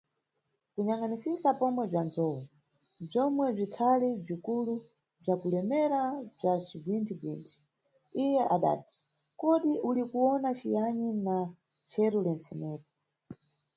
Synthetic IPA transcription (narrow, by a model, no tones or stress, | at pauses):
kuɲaŋanisisapɔmwɛb͡ʐand͡zɔwɔ | b͡ʐɔmwɛb͡ʐʷikʰalib͡ʐikulu | b͡ʐakulɛmɛɾab͡ʐat͡ʃivintʰibḭːntʰi̥ | ijɛʔaɗa̰ːti̥ | kɔɗiʔulikuwɔnat͡ʃijaɲina | t͡ʃʰɛɾulɛnsɛmɛːtɔ̥